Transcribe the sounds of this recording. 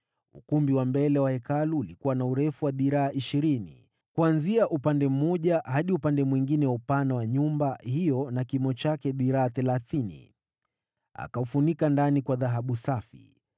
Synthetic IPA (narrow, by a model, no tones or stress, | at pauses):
ṵkumbiwambɛlɛwahɛkaluːlikuwanauɾɛfuwaɓiɾaːʔiʃiɾinḭ | kuanziaʔupandɛm̩ɔʄahaɗiupandɛmwiŋɡinɛwaupanawaɲumbahijɔnakimɔt͡ʃakɛɓiɾaːθɛlaθinḭ | a̰kaufunikandanikwaðaɦaɓusafḭ